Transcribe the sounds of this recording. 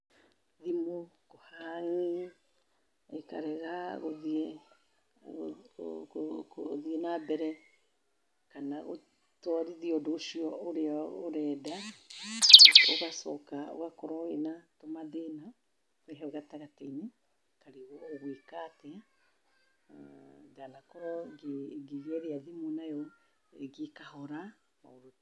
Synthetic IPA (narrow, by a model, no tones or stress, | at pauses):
ðimokohaŋi | ekaɾɛɣaɣoðe | oðienabɛɾɛ | kanaɣo̰ | twaɾiðiɔdoʃiɔoɾeaoɾɛːda | o̰ɣasɔkao̰ɣakɔɾɔenatomaðena | wɛɦɛoɣataɣateine | kaɾiɣɔoɣwekatɛa | dalakɔɾɔɡeɡeβɛɾeaðimonajɔ | eɡekahɔɾa | maoɾo